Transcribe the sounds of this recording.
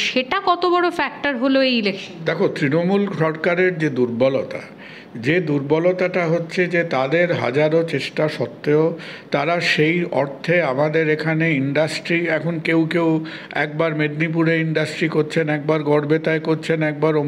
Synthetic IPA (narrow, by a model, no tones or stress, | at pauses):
ʃeʈakɔt̪obɔɽofɛk̚ʈaɾɦoloejlekʰd̪ɛkʰot̪ɾinomulʃɔɾkaɾeɾd͡ʑed̪uɾbɔlot̪a̰ | d͡ʑed̪uɾbɔlot̪aʈaɦotːɕʰed͡ʑet̪ad̪eɾɦa̰d͡ʑaɾot͡ɕeʃʈaʃɔt̪ːeot̪aɾaʃejɔ̰ɾt̪ʰeamad̪eɾekʰaneiɳɖasʈɾiɛkʰonkewkew | ɛk̚baɾmeɖnip̬uɾeiɳɖasʈɾikoɾt͡ɕʰenɛk̚baɾɡɔɽbet̪aekoɾt͡ɕʰenɛk̚baɾo